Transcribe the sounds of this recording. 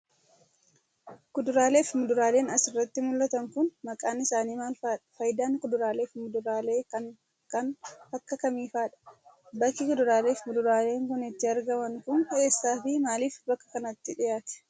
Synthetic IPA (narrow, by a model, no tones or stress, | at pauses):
kʊd̪ʊɾaːle̞ːfmʊd̪ʊɾaːle̞ːnɐsɪrːɐt̪ːɪmʊlːɐt̪ɐŋkʊnmɐkʼaːnɪsaːniːmaːlfaːᶑɐ̥fɐjd̪aːŋkʊd̪ʊɾaːle̞ːfmʊd̪ʊɾaːleːkɐn | kɐnɐkːɐkɐmiːfaːᶑɐ̥ | bɐkːɪkʊd̪ʊɾaːle̞ːfmʊd̪ʊɾaːle̞ːŋkʊnɪt̪ːɪɐɾɡɐmɐŋkʊne̞ːsːaːfɪmaːliːfbɐkːɐ̥kɐnɐt̪ːɪᶑɪjaːt̪ɛ̥